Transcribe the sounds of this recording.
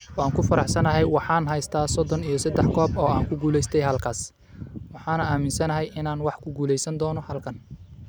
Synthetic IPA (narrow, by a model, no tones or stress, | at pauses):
aːŋkʰʊfɐɾɑħsɐnɐɦɛjwɑħɑːnɦɛjst̪ʰaːsɔd̪ɔnijɞsɐd̪ɛħkʰɔːbɔːaːŋkʰʊɡuːlɛjst̪ʰɛjɦɐlkʰaːs | wɑħɑːnɐaːmɪnsɐnɐɦɛjʔɪnaːnwɑħkʰʊɡuːlɛjsɐnd̪ɔːnɔhɐlkʰɐn